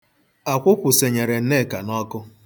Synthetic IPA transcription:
a˨kʷʊ˦kʷʊ˨se˨ɲe˨ɾe˨n̩˦ne˦˨ka˨nɔ˦kʊ˦

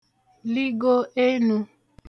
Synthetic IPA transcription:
li˦ɡo˦ʔe˦nũ˨

